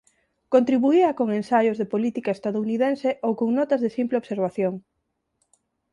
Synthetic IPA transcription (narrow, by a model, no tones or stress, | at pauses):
kõnt̪ɾiβuiɐkoŋensajozðepolit̪ikaest̪aðouniðenseʔowkoŋnɔt̪ɐzðesimpleoβseɾβ̞aθjoŋ